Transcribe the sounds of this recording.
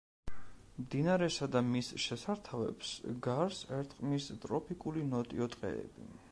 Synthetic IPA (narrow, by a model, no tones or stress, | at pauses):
md̪inaɾɛsad̪amisʃɛsaɾt̪ʰavɛ̰psɡaɾsɛɾt̪ʼqʼmist̪ʼɾɔpʰikʼulinɔt̪ʼiɔt̪ʼqʼɛ̰ɛ̰bḭ